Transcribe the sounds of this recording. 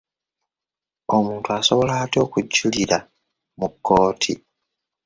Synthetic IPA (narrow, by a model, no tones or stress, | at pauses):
o̞muːntuaso̞βo̞laːto̞ːkuɟːuliɾa | mukːo̞ːtʰḭ